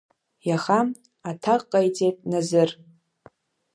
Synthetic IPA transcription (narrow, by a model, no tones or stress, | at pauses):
jaχam | atʰaqʼːajt͡sʼejtʼnazɨr